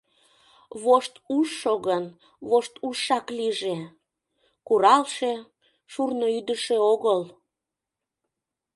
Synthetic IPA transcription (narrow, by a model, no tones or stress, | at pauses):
βoʃt̪uʃːoɣən | βoʃt̪uʃːɑkliʒe | kuɾɑlʃe | ʃurnoyd̪əʃeoɣəl